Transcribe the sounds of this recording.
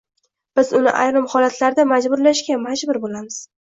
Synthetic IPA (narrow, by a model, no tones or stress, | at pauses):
b̥ɪzʊnɪ̰ʔa̰jɾɪmhɒlat̪ʰlaɾd̪amad͡ʒbʊɾlaʃɡʲamad͡ʒbʊɾbolamɪz̥